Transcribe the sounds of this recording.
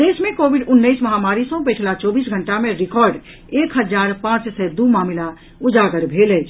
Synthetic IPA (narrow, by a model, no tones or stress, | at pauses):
d̪esmẽkobʱiɖʊnːəsməɦamaːɾisə̃pet͡ʃʰlat͡ʃɔbiːsɡʱəɳʈamẽɾikɔɾɖ | eːkɦəd͡ʒaːɾpãt͡ʃsɛd̪umamila | ud͡ʒaɡəɾbʱelɛt͡ʃʰ